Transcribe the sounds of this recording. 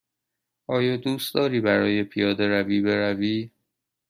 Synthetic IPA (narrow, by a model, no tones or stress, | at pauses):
ʔɒːjɒːd̪uːst̪d̪ɒːɾiːbæɾɒːje̞pʰijɒːd̪e̞ɾæviːbe̞ɾæviː